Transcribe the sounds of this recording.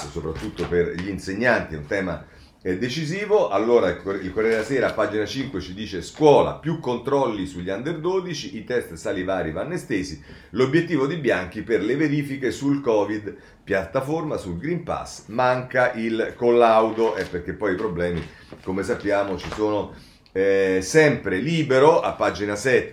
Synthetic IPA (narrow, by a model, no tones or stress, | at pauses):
sopɾat̪ːut̪ːoperʎiːnseɲːant̪iɛunt̪ɛːma̰ | ɛd̪et͡ʃiziːvoʔalːoːɾakilkoɾjɛɾeasɛːɾaːpːaːd͡ʒinat͡ʃiŋkwet͡ʃid̪iːt͡ʃeskwɔːla̰pjukːont̪ɾɔlːisuʎːand̪erd̪oːd̪it͡ʃiʔit̪ɛst̪salivaːɾivanːest̪eːzi | lobːjet̪ːiːvod̪ibjaŋk̟iperleveɾiːfikesulkɔːvid̪ | pjat̪ːaformasulɡɾimpa̰smaŋkaʔilkolːawd̪oʔɛpːerk̟epːɔjipɾoblɛːmi | komes̬apːjaːmot͡ʃisoːno | ɛsɛmpɾeliːbeɾoa̰pːad͡ʒinasɛt̪ː